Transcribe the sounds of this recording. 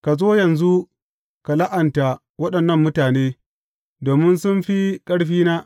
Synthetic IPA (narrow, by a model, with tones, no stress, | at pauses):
ka˨zoː˦jɐ˨nzu˦ | ka˨la˦ʔɐ˨nta˨ | wɐ˦ɗɐ˨nːɐ˦˨mːʊ˦taː˨neː˦ | doː˨mɪ˦nsʊ˦nɸi˦kʼɐ˦ɽɸiː˦naː˦